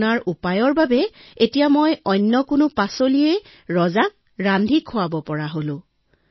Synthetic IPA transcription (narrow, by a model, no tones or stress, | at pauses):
naɹʔupajɔɹbabɛetijamojɔjnːɔkʊnʊpasolijɛ | ɹɔzak̚ | ɹandʱikʰʊabɔpɔɹaɦolʊ̃